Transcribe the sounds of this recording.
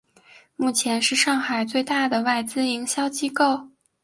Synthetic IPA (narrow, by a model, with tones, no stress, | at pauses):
mu˥˩t͡ɕʰjɛ˧˥nʂɻ̩˥˧ʂɑ˥˩ŋxa˨˩ɪt͡swe˥˧ɪt̪a˥˩d̪ə˩wa˥˩ɪt͡sɹ̩˥i˧˥ŋɕjɑ˥ʊt͡ɕi˥ko˥˩ʊ